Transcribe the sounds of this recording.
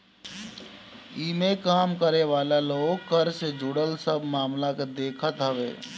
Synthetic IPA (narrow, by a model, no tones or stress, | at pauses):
iːmekaːmkəɾeʋaːlaloːɡkəɾsed͡ʒʊɽəlsəbʱmaːmlakad̪eːkʰət̪ɦəʋḛː